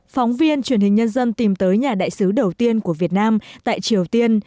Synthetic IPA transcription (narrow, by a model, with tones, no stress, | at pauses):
fɔ˨˦wŋ͡mvi˧ənt͡ɕwi˧˩ənhï̟˨˩ɲə˧nzə˧nt̪i˨˩mt̪əː˨˦jɲaː˨˩ɗa̰ː˧˨jsɨ˨˦ɗə˨˩wt̪i˧ənku˧˩əvi˨˩ət̚naː˧mt̪a̰ː˧˨jt͡ɕi˨˩əwt̪i˧ən